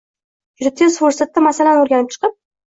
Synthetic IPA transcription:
jʊɾɪt̪̚ʰʲːesfuɾsat̪ːamasalanoɾɡʲanɪp̚t͡ʃʰɨ̥qɨp̚

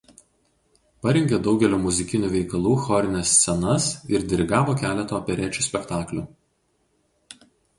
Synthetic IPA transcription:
pɐɾʲɛŋʲɡʲɛd̪ɒʊɡʲɛlʲuːmʊzʲɪkʲɪnʲuːʋʲɛɪkɐlˠuːxɔɾʲɪnʲɛsʲːsʲɛnɐsɪɾd̪ʲɪɾʲɪɡɑːʋoːkʲæːlʲɛt̪oːɐpʲɛɾʲɛːˑt͡ʃʲuˑsʲpʲɛkt̪ɑːklʲuː

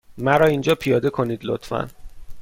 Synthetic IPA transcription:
mæɾɒːind͡ʒɒːpʰijɒːd̪e̞kʰo̞niːd̪lo̰t̪fæ̰n

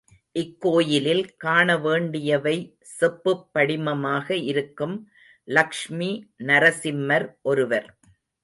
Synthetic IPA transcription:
ʔɪkːoːjɪlɪlkaːɳɐʋeːɳɖɪjɐʋɐɪ | sɛpːɯpːɐɽɪmɐmaːɣɐɪɾɯkːɯm | lɐkʂminɐɾɐsɪmːɐɾʔɔɾɯʋɐɾ

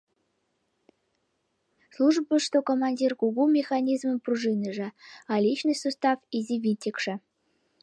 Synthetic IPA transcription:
slˠuʐpəʂt̪okomɑnʲdʲirkuɡumʲexɑnʲizmə̆mpruʐɨnʲə̆ʐɘ̆ɑlʲit͡ɕnɨjsust̪ɑfizʲivʲinʲtʲikʂɘ̆

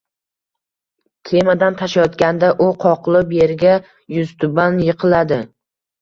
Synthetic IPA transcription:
t̪ʲʰe̞mad̪ant̪ʰaʃajɒt̪kʲand̪aʔʊqʰɒqlˠɪpjeɾɡʲa | jʊzt̪ʰʊbanjɨqʰɨlad̪ɪ

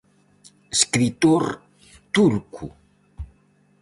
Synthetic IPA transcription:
eskɾit̪oɾ | t̪uɾkʰṵ

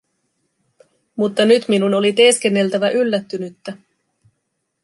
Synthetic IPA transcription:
mut̪ːɑnyt̪minuno̞lit̪eːske̞nːe̞lt̪æʋæʔylːæt̪ːynyt̪ːæ

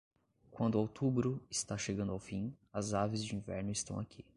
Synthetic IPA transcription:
kwɐ̃nd̪ʊawt̪ubɾʊɪst̪aʃeɡɐ̃nd̪awfĩ | ɐzavɪzd͡ʒɪĩvɛɾnʊɪst̪ɐ̰̃w̃akʰi

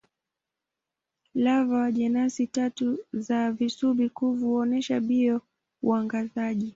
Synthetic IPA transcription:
lavawaʄɛnasitatuzavisuɓikuvuɔnɛʃaɓiɔ | uaŋɡazaʄi

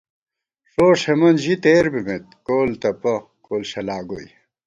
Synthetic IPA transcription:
ʂoːʂemɐnʑit̪eːɾbimet̪̚koːlt̪ɐpɐ | koːlɕɐlaːɡoj

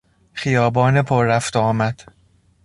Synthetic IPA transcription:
xijɒːbɒːnepʰoɾːæft̪ɒːmæd̪̥

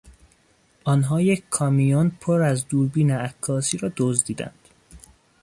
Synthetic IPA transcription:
ʔɒːnɦɒːjeckʰɒːmijonpʰoɾæzd̪uːɾbiːneækʰːɒːsiːɾɒːd̪ozd̪iːd̪æ̰nd̪̥

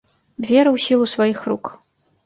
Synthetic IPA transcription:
d̪vʲɛɾɨwsʲilˠusvajixruk

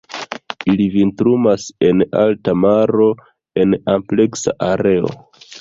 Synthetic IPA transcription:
ilivintɾumase̞na̰ltamaɾo̞ | e̞nample̞ksa̰ʔaɾe̞o̞̰

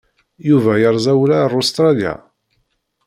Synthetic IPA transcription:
juvæjəɾˤzæwlærˤost̪ɾˤɑlja̰

